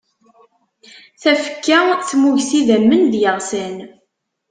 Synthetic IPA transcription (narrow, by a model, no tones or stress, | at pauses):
θæfə̥kːæθmuʝsiðæmːənðjəʁsən